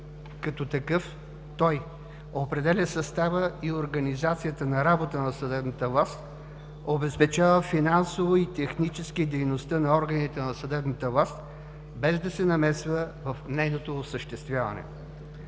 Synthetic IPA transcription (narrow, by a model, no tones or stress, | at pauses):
kɐt̪ɔt̪ɐkɤf | t̪ɔj | opɾɛd̪ɛlʲəsɐst̪avəioɾɡɐnizat̪sijət̪ənɐɾabot̪ənɐsɐd̪ɛbnət̪əvlˠast̪ | obɛspɛt͡ʃavəfinansovoit̪ɛxnit͡ʃɛskid̪ɛjnost̪ənɐɔɾɡənit̪ɛnɐsɐd̪ɛbnət̪əvlˠast̪ | bɛzd̪ɐsɛnɐmɛsvəvɐfnɛjnot̪oːsəʃt̪ɛst̪vʲjavɐ̰nɛ̰